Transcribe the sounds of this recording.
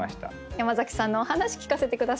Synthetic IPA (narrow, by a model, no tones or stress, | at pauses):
aɕi̥t̪a̰ | jamazakʲi̥sãnːo̞ːhanaɕi̥kʲi̥kase̞t̪e̞kɯ̟d̪as